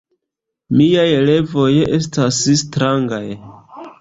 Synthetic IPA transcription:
miajele̞vo̞je̞stasstɾaŋɡaj

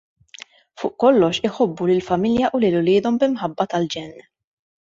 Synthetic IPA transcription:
fʊːʔkɔlːɔʃɪħɔbːulɪlfɐmɪljɐʔʊlɪlʊlɪːd̪ɔmbɪmħɐbːɐt̪ɐld͡ʒɛnː

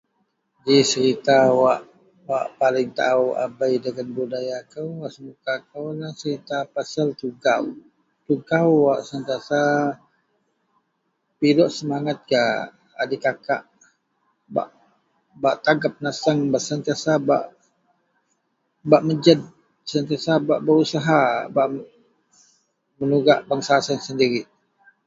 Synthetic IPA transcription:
d͡ʒisəɾit̪awaʔ | waʔpalɪŋt̪a̰ua̰bajdəɡanbudajakəwaʔsəmukakəwlasəɾit̪apasəlt̪uɡaw | t̪uɡawwaʔsant̪iasa | pidɔʔsəmaŋat̪̚ɡaː | dikakaʔ | ba̰ʔ | baʔt̪aɡap̚nasəŋbaʔsənt̪iasaba̰ʔ | baʔməd͡ʒəd̚ | sənt̪iasabaʔbəɾusaɦabaʔ | mənuɡaʔbaŋsasansəndiɾi

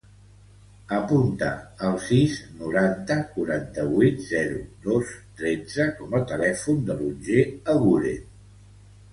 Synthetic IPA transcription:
əpunt̪əːlˠsiznuɾant̪əkuɾant̪əβit̪zɛɾud̪ost̪ɾɛd͡zəkɔmət̪əlɛfund̪əlunʲʒeəɣuɾḛ

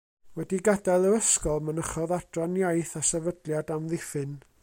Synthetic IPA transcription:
wɛdiɡadalˠəɾəskɔlˠmənəχɔðad̥rɔnjajθasɛvədlˠjadamðɪfɨn

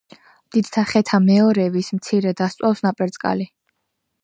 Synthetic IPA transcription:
md̪̥id̪̥t̪ʰaχɛt̪ʰamɛɔɾɛvismt̪sʰiɾɛd̪ast̪sʼwafsnapʼɛɾt̪sʼkʼa̰li

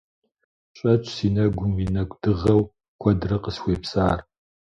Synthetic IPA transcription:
ɕʼɐt͡ʃʼʰsiːnɐɡʷʊmwiːnɐkʷʼd̥ɨʁɐw | kʷʰɐdɨrɐqəsxʷeːpsaːr

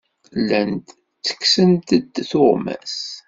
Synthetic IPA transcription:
lːænd̪ | t͡sːə̥ksənt̪əd̪θoʁmæ̰s

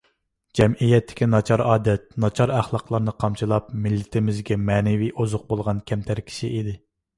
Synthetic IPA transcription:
d͡ʒɛmijɛt̪ʰːɪ̥kʲinɑt͡ʃʰɑɾɑːd̪ɛt̪̚nɑt͡ʃʰɑɾæχlˠɑqlˠɑɾnɨqʰɑmt͡ʃʰilˠɑpmɪlːɪt̪ʰɪmɪzɡʲɛmɛːnɪviʔozʊq̚bolˠʁɑnkʲʰɛmt̪ʰæɾkʲʰi̥ʃiʔid̪ɪ

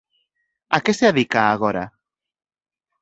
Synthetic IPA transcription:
akeseaðikaːɣoɾa̰

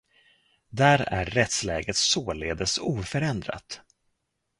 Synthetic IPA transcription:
d̪æɾæ̰ɾːɛt̪slɛːɡət̪soːlḛːd̪əsuːfœɾɛnd̪ɾa̰t̪

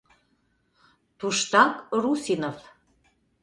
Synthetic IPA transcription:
t̪uʃt̪ɑkrusinof

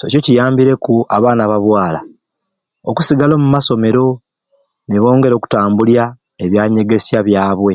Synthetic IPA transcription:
so̞cocijaːmbiɾe̞kuaβaːnaβaβwaːla̰ | oku̥siɡalo̞ːmumaso̞me̞ɾo̞ | niβo̞ːŋɡe̞ɾo̞ːku̥taːmbulja | eβjaːɲe̞ɡe̞sjaβjaːβwe̞

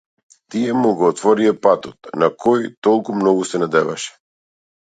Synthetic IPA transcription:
t̪iɛmuɡɔːt̪vɔɾiapat̪ɔt̪nakʰɔjt̪ɔlˠkumnɔɡusɛnad̪ɛvaʃɛ̥

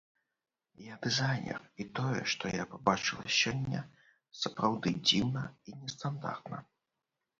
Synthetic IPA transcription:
jad̪ɨzajnʲɛ̰rit̪ɔjɛ̰ʂt̪ɔjapabat͡ʂɨlˠɐ̰sʲɔnʲːɐ̰ | sɐpɾawd̪ɨd͡zʲiwnɐinʲɛst̪and̪a̰rt̪nɐ̰

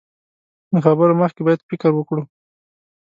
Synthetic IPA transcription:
d̪əxabəɾoməxkebɑjad̪fɪkəɾwəkɽu

